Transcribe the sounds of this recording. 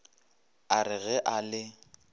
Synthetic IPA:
aɾɪɣɛʔalɪ

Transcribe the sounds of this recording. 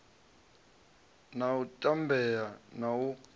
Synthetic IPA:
nawutʼambʱɛjanawu

